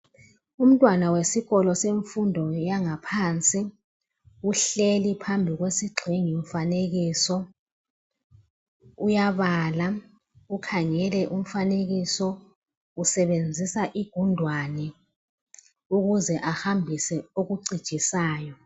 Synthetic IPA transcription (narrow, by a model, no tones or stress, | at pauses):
um̩tʼwanawesiɣɔlɔseɱfundʱɔjaŋapʰaːnt͡sʼi | uɬelipʰambʱiɣwesiɡ͡ǃʱeŋiɱ̩faneɣisɔ | ujaβaːla | ukʰaŋɛlɛʔum̩faneɣisɔ | usɛβend͡zʱisaʔiɡ̥ʱundʱwanɛ | uɣuzɛʔahambʱisɛoɣuɡ͡ǀid̥t͡ʃʼisaːjɔ